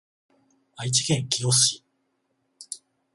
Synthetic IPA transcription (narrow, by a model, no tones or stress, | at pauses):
ait͡ɕi̥ɡẽ̞ŋkʲijosɨ̥i